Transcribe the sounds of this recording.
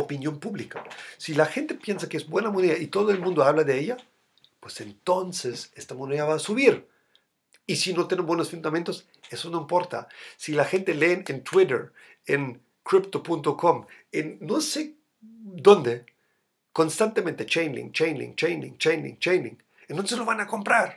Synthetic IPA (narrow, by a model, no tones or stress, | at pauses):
opinjo̞mpuβlikasilaxe̞nt̪e̞pje̞nsakeezbwe̞namoneðait̪oð̞oe̞lmũnd̪oaβlaðeeʝa | pwese̞nt̪o̞nsese̞st̪amoneðaβaːsuβiɾ | isinot̪jenembwenosfund̪amẽnt̪o̞s | e̞so̞no̞impo̞ɾt̪a̰silaxe̞nt̪e̞le̞ːnent̪wiɾḛɾ | en | kɾipt̪o̞punt̪oko̞menːose̞ | d̪o̞nd̪e̞ | ko̞nst̪ant̪emẽnt̪e̞t͡ʃejnlḭŋt͡ʃejnlḭŋt͡ʃejnlḭŋt͡ʃejnlḭŋt͡ʃejnlḭ̃ŋ | ent̪onsezlo̞βanako̞mpɾaɾ